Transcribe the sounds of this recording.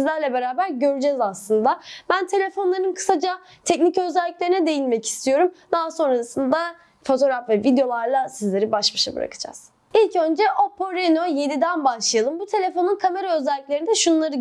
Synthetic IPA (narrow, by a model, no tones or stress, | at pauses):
zlʲæɾlʲɛbe̞ɾaːbæɾɟø̞ɾyd͡ʒɛzaslˠɯnd̪abænt̪ʰe̞lʲe̞fo̞nlˠaɾɯnkʰɯ̥sad͡ʒa | t̪ʰɛcnicøzɛlʲːiclʲeɾinɛd̪e̞jinmɛci̥st̪ʰijo̞ɾumd̪aɦaso̞nɾasɯnd̪a | fo̞t̪ʰo̞ɾafvɛvid̪eo̞lˠaɾlˠasizlʲe̞ɾibaʃbaʃabɯɾa̰kʰɯ̥d͡ʒa̰z̥ | ilʲcø̞nd͡ʒɛʔopoɾeno̞je̞d̪id̪ænbaʃlˠajalˠɯmbut̪ʰe̞lʲe̞fo̞nunkʰame̞ɾaøzɛlʲːiclʲe̞ɾinid̪ɛʃunlˠaɾɯ